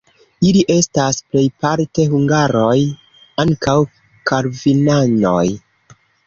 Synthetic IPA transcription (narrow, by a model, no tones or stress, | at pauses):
iliʔe̞stasple̞jpaɾte̞ɦuŋɡaɾoj | aŋkaw | kaɾvinano̰j